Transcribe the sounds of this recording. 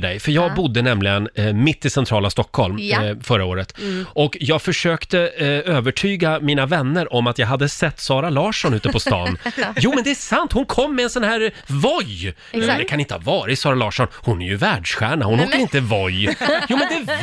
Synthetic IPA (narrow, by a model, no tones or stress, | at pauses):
ɖɛjfœɾjɑːɡbʊd̪ːənɛmlɪɡənmɪt̪ːɪsɛnt̪ʰɾɑːlast̪ɔkʰhɔlmfœɾaoːɾət̪ʔɔkjɑːɡfœʂøːkt̪əøːvəʈʰyːɡamiːnavɛnːəɾʔɔmːat̪jɑːɡɦad̪ːəsɛt̪ːsɑːɾalɑːʂɔnʉ̟ːt̪əpʰɔst̪ɑ̰ːnjuːmɛnd̪ɛæʂant̪hʊnkʰɔmːɛɛnsɔnhæːɾvɔj | d̪ɛkʰanɪnt̪əhɑvɑːɾɪsɑːɾalɑːʂɔnhʊnæɾjɵvæːɖʂɧæːɳahʊnhoːkːəɾɪnt̪əvɔjjuːmɛnd̪ɛ